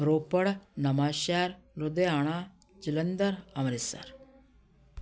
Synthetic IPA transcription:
ɾoːpəɽnɐmaːʃaːɾlod̪eaːɽ̃a | d͡ʒilɐnd̪ɐɾɐmɾisa̰ɾ

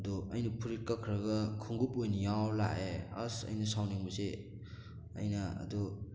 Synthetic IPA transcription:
ɐduɐjnɐpʰuɾit̚kakʰɾɐɡɐkʰuŋɡupojnijawla̰easɐ̰jnɐsawniŋbɐse | ɐ̰jnɐɐ̰du

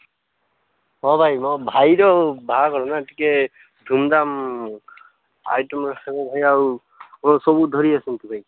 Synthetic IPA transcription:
ɦɔ̃bʱajmɔbʱajɾɔbʱaakɔɾɔnatikɛ | dʱumd̪am | a̰jtɔmɾɔkʰakɔbʱajaɹu | ɔsɔbud̪ʱɔɾiasint̪ubʱaj

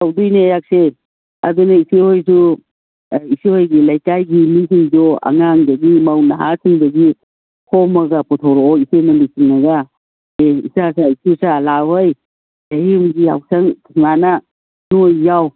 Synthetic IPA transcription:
awdujnejak̚se | a̰dunaisihojsu | isihojɡilajkajɡimisiŋd͡ʒɔa̰ŋaŋdɐɡimawnaɦa̰siŋdɐɡi | hʰɔmaɡapɔtʰɔwɾɔɔisenalisiŋnaɡa | eḭsasaisʰusalawɦɯj | ajimɡia̰wsʰaŋtʰiŋana | nojːaw

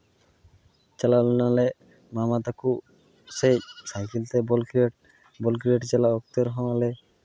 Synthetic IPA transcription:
t͡ʃalalɔnalɛ | mamat̪aku | secsajkilt̪ɛbɔlkʈ̚ | bɔlkɾieʈd͡ʒalaɔk̚t̪eɾɦɔ̃alɛ

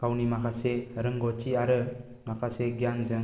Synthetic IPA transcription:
kawnimakʰaseɾɯŋɡɔt͡ʃiaɾɯ | makʰaseɡjanzɯŋ

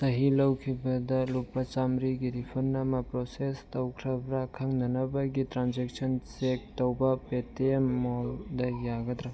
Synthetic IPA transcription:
sɐɦilɐwkʰibɐdɐlupɾɐt͡ʃamɾiɡiɾipʰuɾnɐmɐpɾosestɐwkʰɾɐbɾakʰaŋnɐnɐbɐɡitɾanzek̚sɐnsek̚towbɐpetemːoldɐjaɡɐd̪ɾa

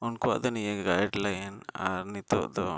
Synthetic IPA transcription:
ɔnkɔa̰ʔd̪ɔnijɛɡajɖlajɛna̰ɾnit̪ɔ̰ʔd̪ɔ

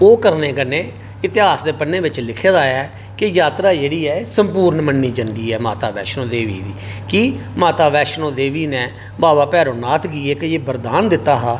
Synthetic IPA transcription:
oːkəɾneːkənẽː | ɪt̪ɪɦaːsd̪eːpənːẽːʋɪt͡ʃlɪkʰeːd̪aːɛː | kɪjaːt̪ɾaːd͡ʒeːɽiːɛːsəmpuːɾnmənːiːd͡ʒənd̪iːɛːmaːt̪aːʋɛ̰ːʃnõːd̪eːʋḭːd̪iːkiːmaːt̪aːʋɛːʃnõːd̪eːʋiːnɛ̃ː | baːʋaːpɛːɾõːnaːt̪ʰɡiːeːkəeːbəɾd̪aːnd̪ɪt̪ːaːɦaː

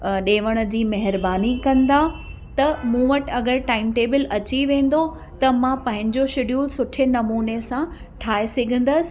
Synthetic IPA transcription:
ɗeːʋəɽ̃ə̆d͡ʑiːmɐɦɪɾbaːnikɐ̃nd̪a | t̪ɐmũːʋɐʈɐɡəɾʈaːɪmʈeːbɪlɐt͡ɕiʋẽːn̆d̪o | t̪ɐmãpɐ̃ɦɪ̃ɲd͡ʑoʃɪɗjuːlsʊʈʰɪnɐmuːnesã | ʈʰaːesɐɡʱə̃n̆d̪əsɪ̥̆

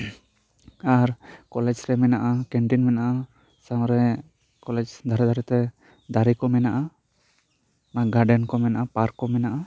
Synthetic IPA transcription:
aɾkɔlɛd͡ʒɾɛmɛnaʔakɛɳʈinmɛnaʔa | sãwɾɛ | kɔlɛd͡ʒd̪ʱaɾɛd̪ʱaɾɛt̪ɛ | d̪aɾikɔmɛnaʔa | aɡaɾɖɛnkɔmɛnaʔapaɾkːɔmɛnaʔa

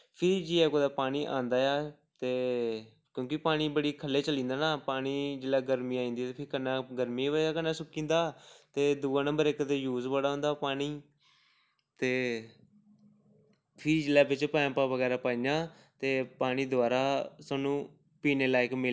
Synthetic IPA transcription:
pʰɪɾd͡ʒiːɛːkoːd̪aːpaːɽ̃iːʔã̰ːnd̪aːjaː | t̪eː | kjõːkɪpaːɽ̃iːbəɽiːkʰəlːeːt͡ʃəlĩːnd̪aːnaːpaːñiːd͡ʒɪlaːɡəɾmiːaːĩnd̪iːt̪eːpʰɪɾkənːãːɡəɾmiːʋəaːkənːãːsʊkːĩːnd̪aːt̪eːd̪uːãːnə̃mbəɾɪkt̪eːjuːzbaːɽaːɦõːnd̪aːpaːɽ̃iː | t̪eː | pʰɪɾid͡ʒɪlaːbɪt͡ʃpɛ̃ːmpaːʋəɡɛːɾaːpaːĩd͡ʒãː | t̪eːpaːɽ̃iːd̪ʊaːɾaːsaːnũː | piːneːlaːɪkmɪl

